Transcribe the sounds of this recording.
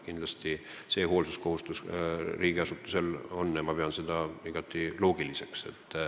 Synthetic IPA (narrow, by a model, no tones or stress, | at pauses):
kind̪lɑst̪i | se̞ːɦo̞ːlsusko̞hust̪usriːɡ̥iɑsut̪ːˑu̥se̞lo̞nːɑmɑpeɑnsed̪̥ɑiɡ̥ɑt̪ˑːilo̞ːɡ̥ilise̞kse̞̰t̪ˑː